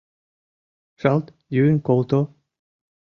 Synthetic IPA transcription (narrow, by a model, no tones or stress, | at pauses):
ʃɑlˠt̪ | jynkolt̪o